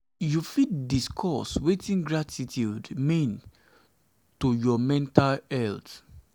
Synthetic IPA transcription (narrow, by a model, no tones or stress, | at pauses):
jufiddiskʰɔswetĩnɡɹatʰitʰjudmĩn | tojɔmɛ̃ntalɛlt